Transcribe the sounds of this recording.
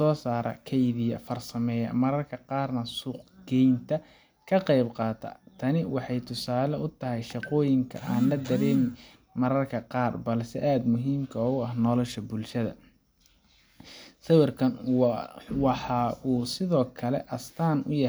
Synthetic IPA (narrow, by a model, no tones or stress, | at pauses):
sɔːsaːɾʔɐ̰kʰɛjðɪjɐfɐrsɐmɛːjɐ̰mɐɾɐrkʰɐqɑːrnɐsuːqɡɛjnt̪ʰɐ | kʰɐqɛjbqɑːt̪ʰɐ̰t̪ʰɐnɪwɑħɑjt̪ʰʊsaːlɛʊt̪ʰɐɦɛjʃɑqɔːjɪŋkʰɐ̰ʔaːnlɐd̪ɐɾɛːmɪ | mɐɾɐrkʰɐqɑːrbɐlsɛ̰ʔaːd̪mʊɦiːmkʰɐɔːʊɐɦnɔːlɐʃɐbʊlʃɐðɐ̰ | sɐwɪrkʰɐn | wɑħɑːuːsɪðɔːkʰɐlɛ̰ʔɐst̪ʰaːnʊ̰jɐ